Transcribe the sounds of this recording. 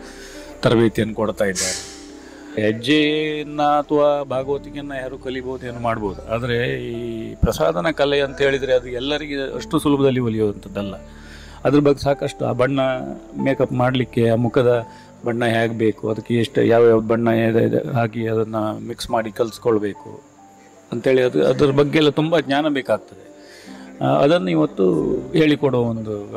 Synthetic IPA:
t̪ɐɾʋeːt̪ijɐnːukɔɽt̪aːjid̪ːaɾe | ɦɛd͡ʒeɐnːɐːt̪ʰɐʋaːbʱaːɡot̪iŋjɐnːɐjaːɾuːkɐliboːud̪ue̞ːnuːmaːɽboːd̪uaːd̪ɐɾe̞ipɾɐsa̰ːd̪ʱɐnɐkɐleɐnt̪ɐɦe̞ːɭid̪ɾeɐd̪uɛlːɐɾiɡeɐ̰ʂʈusulubɐd̪ɐlːiʋɐlijoːɐnt̪ʰɐd̪ːɐlːɐ | ɐd̪ɐɾɐbɐɡːesaːkɐʂʈua̰ːbɐɳːɐme̞ːkɐpmaːɽlikːe̞aːmukʰɐd̪ɐ | bɐɳːɐɦaːɡbe̞ːkuɐd̪ɐkːeːʂʈjaːʋaːɐd̪bɐɳːɐḛɦaːkiɐd̪ɐnːɐmiksmaːɽikɐlskɔɭbe̞ːkṵ | ɐnt̪ɦeːɭiɐd̪ɐ̰d̪ɐɾɐbɐɡːeɛlːɐt̪umbɐɡɲaːnɐbeːkaːɡ̚t̪ɐd̪e̞ | ɐ̰d̪ɐnːɐiʋɐt̪ːuɦe̞ːɭikɔɽoːond̪u

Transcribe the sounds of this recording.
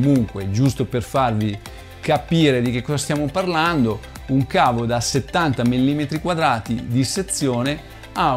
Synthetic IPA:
muŋkwed͡ʒust̪operfarvi | kapiːɾed̪ik̟ekːɔzast̪jaːmoparland̪o | uŋkaːvod̪aset̪ːant̪amilːiːmet̪ɾikwad̪ɾaːt̪id̪iset̪sːjoːne | a

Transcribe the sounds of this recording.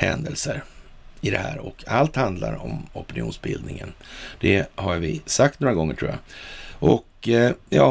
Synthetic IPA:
hɛnd̪əlsəɾ | ɪd̪ɛhæːɾɔkʰalt̪hand̪laɾɔmɔpɛnɪṵːnsbɪld̪nɪŋənd̪̥ɛhaɾvɪsak̚t̪noːɾaɡɔŋːəʈʰɾuːjaʔɔkjɑ

